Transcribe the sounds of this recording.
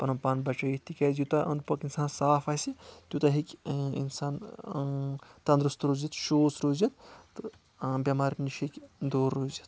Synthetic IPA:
pɐnɐmpaːnbɐt͡ʃɐjit̪ikʲɐːzjut̪ɐʔɐnpɐkinsaːnsaːfaːsit̪ʲjut̪ɐɦikʲḭnsaːn | t̪ɐnd̪ɾɨst̪ɾoːzit̪ʃoːsɾoːzit̪t̪ɨ | bʲɐmaːɾniʃɐkʲd̪oːɾːoːzit̪̚

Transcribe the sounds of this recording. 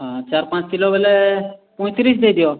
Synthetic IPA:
ɦãt͡ʃaɾpãt͡ʃkilobelɛpɔ̃j̃t̪ɾisd̪ejd̪ijo

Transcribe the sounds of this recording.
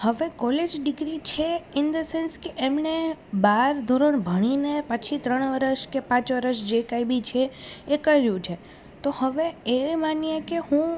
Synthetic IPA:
həʋekɔled͡ʒɖɪɡɾit͡ʃʰeɪnd̪əsenskeʔemnebaɾd̪ʱoɾəɳbʱəɽ̃inepət͡ʃʰit̪ɾəɳ̃ʋəɾəʃkepãt͡ʃʋəɾəʃd͡ʒekajbit͡ʃʰeːkəɾjũt͡ʃʰe | t̪ohəʋeemanijekehũ

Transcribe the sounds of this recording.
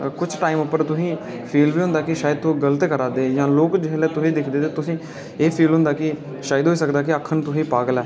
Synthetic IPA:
kʊt͡ʃʰʈaːimʊpːəɾt̪ʊsĩː | pʰiːlʋiːɦʊ̃nd̪aːkɪʃaːɪd̪̚t̪õːɡələt̪eːkəɾaːd̪eːjãːloːkd͡ʒɪɦlɛːt̪ʊsĩːd̪ɪkʰd̪eːt̪eːt̪ʊsĩː | eːpʰiːlɦʊ̃nd̪aːkɪ | ʃaːɪd̪ɦoːiːsəkd̪aːkɪəkʰːənt̪ʊsĩːpaːɡəlɛː

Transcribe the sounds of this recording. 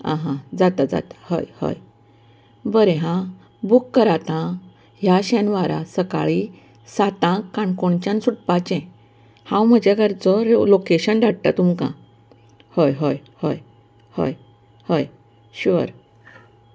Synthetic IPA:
ã̰ɦãd͡zat̪ad͡za̰t̪ḁhə̰jhə̰j | bəɾeɦã | bukːəɾat̪ã | ɦjaɕɛ̃nʋaɾa̰səka̰ɭi | sat̪ãkːãɳkoɳt͡ɕãnsuʈpat͡ɕɛ̃ | hãwm̤əd͡ʑaɡəɾd͡zɔɾlokeɕənɖaɽ̚ʈ̪a̰t̪umkã̰ | həjɦəjhə̰j | hə̰j | həj | ɕuʋə̰ɾ

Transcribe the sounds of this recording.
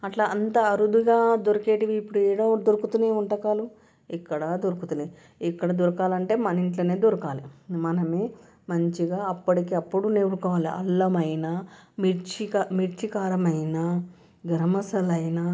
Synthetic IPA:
ɐʈlaːʔɐnt̪ɐɐɾud̪uɡaːd̪oɾɐkeːʈiʋiːpːuɽuɛːɽod̪oɾukut̪uneːuɳʈɐkaːlu | ikːɐɽɐd̪oɾukut̪une | ikːɐɽɐd̪uɾɐkaːlɐɳʈe̞ːmɐniɳʈlɐːneːd̪uɾɐkaːlimɐnɐme | mɐɲt͡ʃiɡaːɐpːɐʈikiːɐpːuɽuneːɾukɔːʋaːliʔɐ̰ɭːɐmɐjnamiɾt͡ʃikmiɾt͡ʃikaːɾɐmɐjna | ɡɐɾɐmɐsɐlɐjna

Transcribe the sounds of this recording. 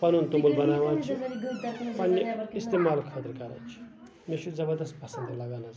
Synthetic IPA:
pɐnunt̪umbulbɐnaːʋãːt͡ʃʰi | pɐnːɐist̪emaːlkʰət̪ɾkɐɾɐ̰t͡ʃʰi̥ | meʃʰuzɐbɐɾd̪ɐst̪̚pɐsɐnd̪lɐɡaːnɐz

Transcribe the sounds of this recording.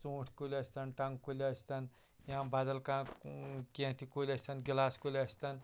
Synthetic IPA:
t͡sõːʈʰkulʲɐsʲt̪ɐnʈɐŋkulʲsʲt̪ɐn | jãːbaːd̪ɐlkãːkẽːt̪ʰikolʲɐsʲt̪ɐnɡilaːskolʲɐsʲt̪ɐn

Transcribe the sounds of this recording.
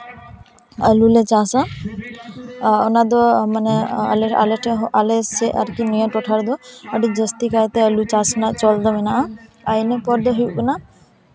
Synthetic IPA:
əlulɛt͡ʃasã | ɔnad̪ɔmanɛə̰lea̰leʈʰɦʔalɛsɛʔaɾkinɔjãʈɔʈʰaɾd̪ɔəɖid͡ʒəst̪ikajt̪ɛəlut͡ʃasnat͡ʃɔld̪ɔmɛnaʔa | ajnɛpɔɾd̪ɔɦujuʔbuna

